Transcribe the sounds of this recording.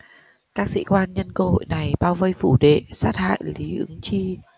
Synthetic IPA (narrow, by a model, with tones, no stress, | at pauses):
kaː˦˥k̚sḭ˧˥kwaː˧nɲə˧nkə˧ho̰˧˨jna˨˩jɓaː˧wvə˧jfu˧˩ɗḛ˧˨saː˦˥t̚ha̰ː˧˨jli˨˦ʔɨ˨˦ŋt͡ɕi˧